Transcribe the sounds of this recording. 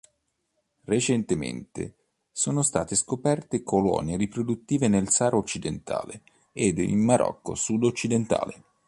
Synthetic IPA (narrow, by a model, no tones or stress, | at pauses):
ret͡ʃent̪emḛnt̪ḛ | soːnost̪aːt̪eskopɛrt̪ekʰolɔ̰njeɾipɾod̪ut̪ːiːvenelsaːɾʔot͡ʃːid̪ent̪ʰa̰ːle | ed̪ḭnmaɾʔɔ̰kːo̰sud̪ot͡ʃːid̪ent̪a̰ːle